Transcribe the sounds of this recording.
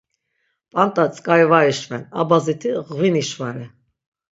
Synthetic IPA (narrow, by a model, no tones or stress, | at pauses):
pʼant̪ʼat͡sʼkʼajvaiʃvɛnabazit̪ʰiʁviniʃvaɾi